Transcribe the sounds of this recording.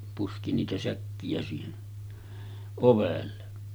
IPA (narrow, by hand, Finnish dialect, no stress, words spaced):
puski niːtæ sækːiæ siːhen oʋelːe